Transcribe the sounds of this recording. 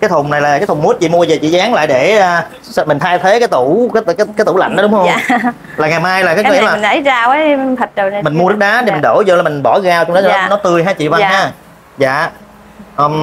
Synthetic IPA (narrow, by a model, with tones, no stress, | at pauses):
kaː˨˦jt̪ʰʊ˨˩ŋ͡mna˨˩jlaː˨˩kaː˨˦jt̪ʰʊ˨˩ŋ͡mmu˦˥ət̚t͡ɕḭ˧˨mu˧əve˨˩t͡ɕḭ˧˨zaː˨˦ŋla̰ː˧˨jɗe˧˩əː˨˩ | smï˨˩ŋ̟t̪ʰaː˧jt̪ʰe˨˦kaː˨˦jt̪u˧˩kːkaː˦kaː˨˦t̪u˧˩la̰˧˨ŋ̟ɗɔ˨˦ɗʊ˨˦ŋ͡mhə˧ŋ͡m | laː˨˩ŋa˨˩jmaː˧jlaː˨˩kaː˨˦ŋi˧˥˦laː˨˩ŋə˧˨˩jzaː˧wə˨˦t̪ʰə˨˩t̚zə˨˩˧mï˨˩ŋ̟mu˧nɨ˦˥k̚ɗaː˨˦ɗe˨˩i̟˨˩ɗoː˧˩zo˧˩laː˨˩mï˨˩ŋ̟ɓɔ˧˩ɣaː˧wt͡ɕɔ˧ŋ͡mnɔ˨˦˨nɔ˨˦t̪ɨ˧˩əjɦaː˧˩t͡ɕḭ˧˨va˧n˧haː˧˥ | za̰ː˧˨ | ʔəː˨˩m